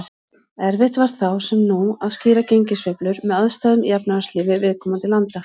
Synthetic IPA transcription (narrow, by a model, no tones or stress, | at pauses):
ɛɾvɪht̪vaɾ̥t̪θawsɛmnuaðsciːɾaceɲcɪsvœplʏɾmɛðaðst̪aːðʏmjapnaasliːvɪvɪðkʰɔːmant̪ɪlant̪a